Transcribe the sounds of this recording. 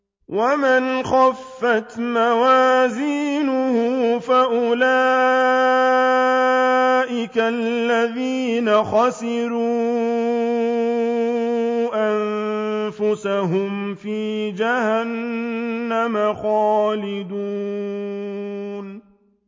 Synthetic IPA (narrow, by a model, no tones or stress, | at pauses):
wʔamɪnxafːat̪mawaːziːnʊhʊfaʔʊlaː | ʔɪkalːaðiːnaxasɪɾuː | ʔannfʊsaɦʊmfiːd͡ʒahanː | amaxɑːlɪd̪uː | n